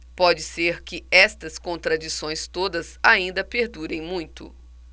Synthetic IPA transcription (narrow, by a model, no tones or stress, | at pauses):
pɔd͡ʒɪseɾkɪɛst̪ɐskõnt̪ɾad͡ʒisõj̃st̪od̪ɐzaĩnd̪ɐpeɾd̪uɾẽj̃mũj̃t̪ʊ̰